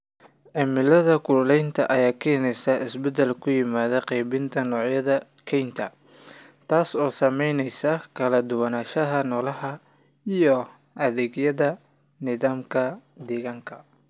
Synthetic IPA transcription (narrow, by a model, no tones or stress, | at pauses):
ʕɪmɪlɐðɐkʰʊllɛjnt̪ʰɐʔɐjaːkʰɛːnɛjsɐʔɪsbɛd̪ɐlkʰʊjɪmaːðɐqɛjβɪnt̪ʰɐnɔːʕjɐðɐ | kʰɛjnt̪ʰɐ | t̪ʰaːsɔːsɐmɛjnɛjsɐkʰɐlɐd̪ʊwɐnaːʃɐɦɐnɔːlɐɦɐ | ijɔ | ʔɐðɛːɡjɐðɐ | nɪðaːmkʰɐd̪ɛːɣaŋkʰɐ